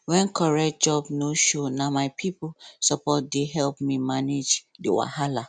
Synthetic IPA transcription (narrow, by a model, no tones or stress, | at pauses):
wɛ̃nkʰɔɹɛt̚d͡ʒɔbnoʃonamaɪpʰiposɔpɔt̚deɦɛlpmimaned͡ʒdewa̰hala